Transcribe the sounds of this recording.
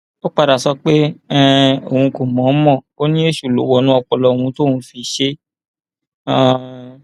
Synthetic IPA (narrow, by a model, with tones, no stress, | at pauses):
o˦k͡pa˧ɾa˨sɔ˧k͡pe˦ɛ̃˦o˨hũ˧ko˨mɔ̃˨˦mɔ̃˦˨o˦nĩ˦e˦ʃu˦˨lo˨˦wɔ˦˧˨nũ˦ɔ˧k͡pɔ˧lɔ˧˨wũ˧to˦˨hũ˨˧˦fi˧ʃe˦ | ã˨